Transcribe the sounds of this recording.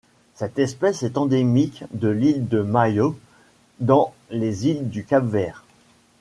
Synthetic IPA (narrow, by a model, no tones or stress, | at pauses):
sɛt̪ɛspɛsɛt̪ɑ̃d̪emikd̪əlild̪əmajo | d̪ɑ̃ | lezild̪ykabvɛːʁ